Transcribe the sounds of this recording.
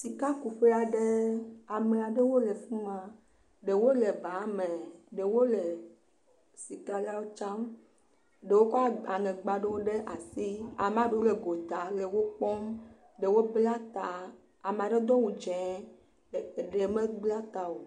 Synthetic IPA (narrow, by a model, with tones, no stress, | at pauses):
si˨ka˦ku˨ɸe˦a˨ɖe˦a˨me˨a˨ɖe˦wo˦le˨fũ˦mã˨ | ɖe˨wo˦le˨ba˨˦mẽ˨ɖe˨wo˦le˨ | si˨ka˦la˦wo˦t͡ʃã˦m | ɖe˨wo˦kɔ˦a˦a˨ŋɛ̃˨ɡ͡ba˨ɖe˦wo˦ɖe˦ʔa˨si˦a̰˨mẽ˨a˨ɖe˦wo˦le˨ɡo˨t̪a˨le˨wo˦k͡pɔ˦m | ɖe˨wo˦bla˦t̪a˨ | a˨me˨a˨ɖe˦d̪ɔ˦wu˨d͡ʒɛ̃˨ | ɖe˨mẽ˦ɡ͡bla˦t̪a˨o˨